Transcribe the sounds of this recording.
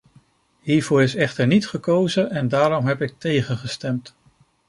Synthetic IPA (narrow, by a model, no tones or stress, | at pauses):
ɦiːɹvʊːɹɪsɛχtəɹnitχəkowzənɛndaːɾɔmɦɛpɪk̚tejχənχəstɛmt